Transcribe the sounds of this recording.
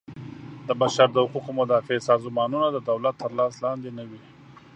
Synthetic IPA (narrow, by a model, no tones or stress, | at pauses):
d̪əbaʃaɾd̪əhʊquqomʊd̪ɑfeesɑzmɑnunad̪əd̪awlat̪ʰːəɾlɑslɑnd̪enəwi